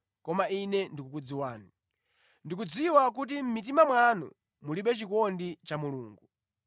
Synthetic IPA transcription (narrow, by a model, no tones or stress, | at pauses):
kɔmainɛndikukud͡ziwaːni | ndik̬ud͡ziwak̬ut̬im̩mit̬imamwanṵ | muliɓɛt͡ʃikɔndit͡ʃamuluːŋɡu